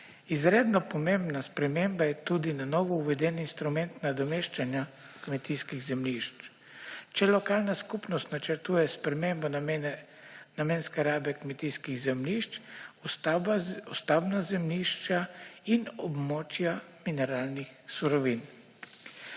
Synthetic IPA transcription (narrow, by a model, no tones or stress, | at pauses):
izɾeːd̪nɔpɔmembnaspɾɛmembajɛt̪ud̪inanɔʋɔuʋɛd̪ɛninst̪ɾumɛnt̪nad̪ɔmeʃt͡ʃanja | kmɛt̪iːskiɣzɛmliʃt͡ʃ | t͡ʃɛlɔkaːlnaskupnɔst̪nat͡ʃɛɾt̪uːjɛspɾɛmembɔ | namenskɛɾaːbɛkmɛt̪iːskiɣzɛmliʃt͡ʃ | ɔst̪abnazɛmliʃt͡ʃainɔbmɔːt͡ʃjaminɛɾaːlnixsuɾɔʋin